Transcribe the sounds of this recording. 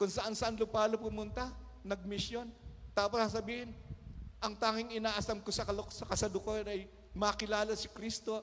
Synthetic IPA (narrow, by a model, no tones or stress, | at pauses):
kʊŋsɐʔansɐʔanlʊpaːlopʊmʊnt̪ɐ | nɐɡ̚mɪsjo̞nt̪aːposasɐbiːhɪnʔɐŋt̪aːŋɪŋɪnaːʔɐsɐmkosɐkɐlsɐkɐsɐd̪ʊkoɾʔɐj | mɐkɪlaːlɐsɪkɾist̪o̞